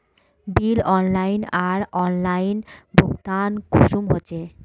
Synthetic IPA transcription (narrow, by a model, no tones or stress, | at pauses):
bilɔnlajnaɾɔnlajnbʱokt̪ankʰuʃumɦot͡ɕʰe